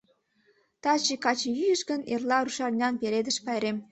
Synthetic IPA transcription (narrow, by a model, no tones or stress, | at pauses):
t̪ɑt͡ɕekɑt͡ɕejyjəʃɡənerlɑruʃɑrnʲɑnpeɾed̪ə̆ʃpɑjɾem